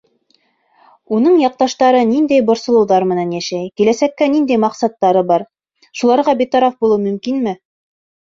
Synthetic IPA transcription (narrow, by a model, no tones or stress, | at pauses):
un̪ɤɴjɑq̚t̪ɑʃt̪ɑɾɤnind̪æjbŏɾsɤ̆lˠɤ̆wðɑɾmɘ̆nænjæʃæjkilæsækːænind̪æjmɑqsɑt̪ːɑɾɤbɑɾ | ʃulˠɑɾʁɑbit̪ɑɾɑfbulˠɤwmɵ̆mkinmɘ